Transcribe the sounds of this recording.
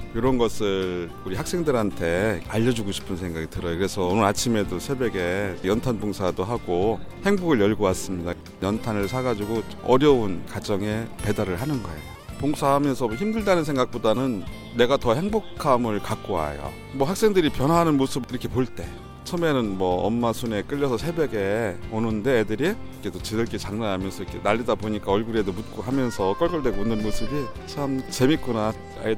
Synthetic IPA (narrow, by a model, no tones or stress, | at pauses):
joɾʌnɡʌsʰɯɭ | uɾihak̚s͈e̞ŋdɯɾɦantʰe̞aʎːʌd͡ʑuɡoɕʰi̥pʰɯns̬ʰeŋɡaɡitɯɾʌjokɯɾe̞sʰʌːnɯɾat͡ɕʰime̞dosʰe̞be̞ɡe̞jʌntʰanboŋsʰadoɦaɡohe̞ŋboɡɯɭjʌɭɡowas͈ɯmɲida | jʌntʰanɯɭsʰaɡad͡ʑuɡo | ʌɾjʌunkad͡ʑʌŋe̞pe̞daɾɯɭhanɯnɡʌe̞̰jopoŋsʰaɦamjʌnsʰʌçimdɯɭdanɯnsʰeŋɡak̚p͈odanɯnː | e̞ɡatʌhe̞ŋbokʰamɯɭkak͈oa̰jo̰ | mwʌhaks͈e̞ŋdɯɾipjʌnɦwaɦanɯnmosʰɯbiɾʌkʰe̞poɭt͈e̞ | t͡ɕʰʌme̞nɯnmwʌʌmːasʰune̞k͈ɯʎːʌsʰʌsʰe̞bjeɡe̞onɯnde̞ːdɯɾikʰet͈ot͡ɕedɯɭk͈et͡ɕaŋnanɦamjʌnsʰʌikʰe̞naʎːidapoɲik͈aʌɭɡuɾiedomut̚k͈oɦamjʌnsʰʌk͈ʌɭkʌɭdwe̞ɡounɯnmosʰɯbi | t͡ɕʰamt͡ɕe̞mik͈una | a̰i